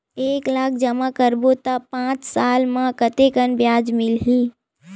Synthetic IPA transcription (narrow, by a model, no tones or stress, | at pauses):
eːklaːk̚ʰd͡ʒəmakəɾbot̪apãːt͡ʃsaːlmãkət̪ekənbjaːd͡ʒmɪlɦiː